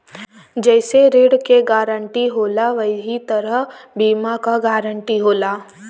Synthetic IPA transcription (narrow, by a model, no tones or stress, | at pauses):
d͡ʒɛːseɾeːɽkeɡaːɾəɳʈiɦoːlaʋɐɦit̪ɐɾəɦbiːmakaɡaːɾə̃ɳʈiɦoːlaː